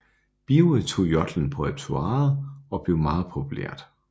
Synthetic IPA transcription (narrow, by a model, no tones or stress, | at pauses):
b̥iʊət͡sʰo̝̰ːjɒd̥ln̩pʰɒ̽ed̥̚t͡sʰuɑ̈ːð̩ˠɒ̽b̥le̝ʊmɑ̈ːð̞̩ˠpʰopʰulḛɐ̰d̥